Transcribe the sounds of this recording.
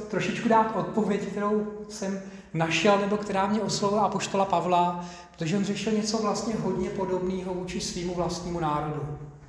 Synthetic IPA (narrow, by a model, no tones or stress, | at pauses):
t̪ɾoʃɪt͡ʃkudaːt̪ʔo̞t̪̚po̞vjɛckt̪ɛɾo̞wsɛm | naʃɛlnɛbo̞kt̪ɛɾaːmɲɛʔoslovɪlaapo̞ʃt̪o̞lapavla | ɾot̪oʒɛʔonzɛʃɪlɲɛt͡so̞vlast̪ɲɛɦo̞dɲɛpo̞do̞bniːɦo̞vuːt͡ʃɪsviːmuvlast̪ɲiːmunaːɾo̞du